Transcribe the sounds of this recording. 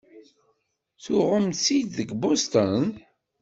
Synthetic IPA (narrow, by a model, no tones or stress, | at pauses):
θʊʁəmsid̪ðəɡbost̪ən